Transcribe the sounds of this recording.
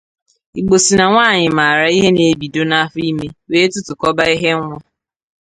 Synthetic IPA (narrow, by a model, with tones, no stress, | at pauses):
i˨ɡ͡bo˨si˨na˨ŋʷaː˦˨ɲɪ˨ma˨ɾa˦i˦ɦe˦ne˨˦bi˨do˦na˦a˦fʊ˦i˦me˦weː˦tʊ˦tʊ˨kɔ˦ba˦i˦ɦe˦ŋʷɔ˦